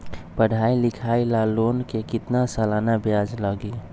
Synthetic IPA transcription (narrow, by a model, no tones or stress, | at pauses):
pəɽ̤ʱailɪkʰailalonkekɪt̪nasəlanabjad͡ʒləɡi